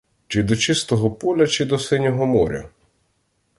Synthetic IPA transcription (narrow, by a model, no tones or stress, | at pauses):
t͡ʃɪd̪ɔt͡ʃɪst̪ɔɦɔpɔlʲɐt͡ʃɪd̪ɔsɪnʲɔɦɔmɔɾʲɐ̰